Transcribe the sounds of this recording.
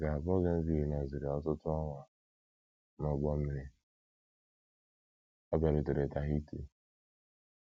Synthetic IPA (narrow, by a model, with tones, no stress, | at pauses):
ɡa˨a˨bɔ˦ɡe˦n̩˦zi˦ɦe˨na˨zi˨ɾe˨ɔ˦tʊ˦tʊ˦ɔ˦ŋʷa˨ | nɔ˨ɡ͡bɔ˦m̩˦me˨ɾe˦ | a˦ba˨ɾɪ˨te˨ɾe˨ta˨ɦi˦tḛ˦